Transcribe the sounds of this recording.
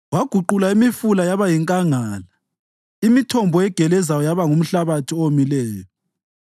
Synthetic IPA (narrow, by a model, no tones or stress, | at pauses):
waɡ̥ʱuǃulaimifulajaβajiŋkʼaŋaːla | imitʰɔmbʱɔɛɡ̥ʱɛlɛzajɔjaβaŋum̩ɬaβatʰiomilɛːjɔ